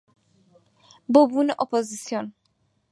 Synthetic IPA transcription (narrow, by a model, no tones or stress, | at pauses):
bobuneʔopozisjon